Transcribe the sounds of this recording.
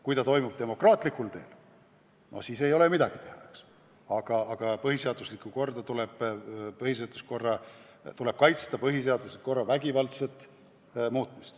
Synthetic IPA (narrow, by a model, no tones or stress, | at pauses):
kujt̪ɑt̪o̞jmub̥̚t̪e̞mo̞krɑːt̪likːˑult̪e̞̰ːl | nʔo̰siːse̞jo̞le̞mid̪ɑɡ̥it̪e̞hɑks | ɑɡ̥ɑːɡ̥ɑpɤɦise̞ɑd̪̥uslikːuko̞rd̪̥ɑt̪uleb̥pɤɦhis̬e̞ɑd̪̥usko̞rːɑ | t̪ule̞b̥̚kɑjt̪st̪ɑpɤɦis̬e̞ɑd̪uset̪ko̞rːɑvæɡivɑlt̪set̪ːˑ | muːt̪ːˑmist̪